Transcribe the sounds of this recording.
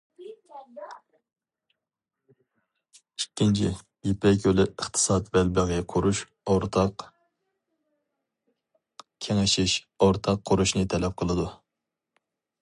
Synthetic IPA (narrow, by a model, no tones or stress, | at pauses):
ikʲʰːint͡ʃʰi | epɛk̬ʲølɪəχt̪ʰɨ̥sɑːt̪bɛlbɪʁɨqʰoɾuʃ | oɾt̪ʰɑq | kʲʰeŋɪʃiʃ | oɾt̪ʰɑqʰːʊɾuʃnɨt̪ʰɛlɛp̚qʰəlˠɨd̪u